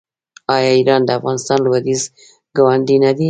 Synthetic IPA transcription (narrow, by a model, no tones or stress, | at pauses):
ɑjɑiɾɑnd̪əafɣɑnɪst̪ɑnləwad̪iz | ɡawand̪inad̪i